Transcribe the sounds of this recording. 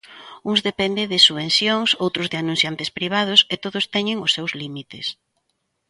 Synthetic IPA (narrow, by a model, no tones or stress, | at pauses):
uŋzðepɛnd̪eðɪsuβenθjoŋsowt̪ɾʊzðɪanũsθjant̪ɪspɾiβ̞að̞ʊset̪oðʊst̪ɛɲɪŋʊsːewzlimit̪ɪs